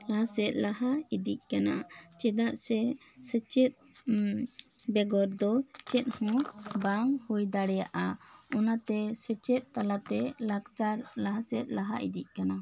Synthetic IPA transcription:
laɦasɛt̪̚ˀlaɦaid̪ic̚ˀkanat͡ʃɛd̪aʔsɛ | sɛt͡ʃɛt̪̚ | bɛɡɔɾd̪ɔt͡ʃɛt̪̚ˀhɔ̃baŋhujd̪aɽɛjaʔaɔnat̪ɛsɛt͡ʃɛt̪̚ˀt̪alat̪ɛlakt͡ʃaɾlaɦasɛt̪̚laɦaʔḭd̪iʔ̚kana

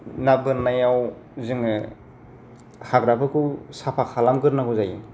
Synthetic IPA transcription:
nabɯɾnajawzɯŋɯ | haɡɾabɯkʰɯwsapʰakʰalamɡɯɾnaɡuzajin

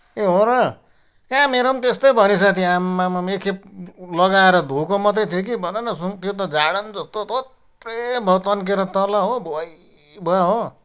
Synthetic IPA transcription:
eɦoɾʌ | kãmeɾʌmt̪est̪ʌjbʱʌnisat̪ʰĩamːamamekʰep̚lʌɡaeɾʌd̪ʱukomʌt̪ʌt̪ʰjekibʱʌnenʌsut̪jot̪ʌd͡zaɽʌnd͡zʌst̪ot̪ot̪ | rebʱʌt̪ʌnk̬eɾʌt̪ʌlʌɦobʱoj | bʱoaɦo

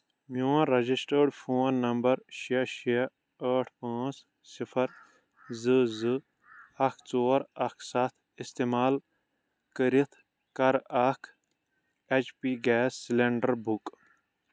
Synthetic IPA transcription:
muːãɾɐd͡ʒisʈəːɖpʰoːnːɐmbɐɾʃiɐʃiɐ | əːʈʰpãːt͡s | sipʰɐɾ | zɨzɨ | ɐkʰt͡soːɾɐkʰsat̪ʰ | ist̪eːmaːl | kəɾit̪ʰ | kɐɾɐkʰ | et͡ʃpiːɡɛːsːileɳɖɐɾbuk

